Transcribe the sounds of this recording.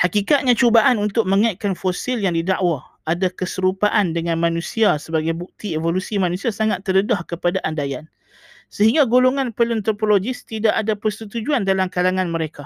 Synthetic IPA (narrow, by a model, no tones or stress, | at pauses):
hakikat̪̚ɲãt͡ʃobaʔanunt̪ʊk̚məŋajʔ̚kanfosɪljaŋdidaʔwaadakəsəɾupaʔandəŋãnmãnũsiasəbaɡajbuk̚t̪ievolusimanusiasaŋat̪ːərədahkəpadaʔandajan | səɦiŋɡaɡoloŋãnpələnt̪ɾopolod͡ʒɪst̪idaʔadapərsət̪ud͡ʒuandalamkalaŋãnməɾeka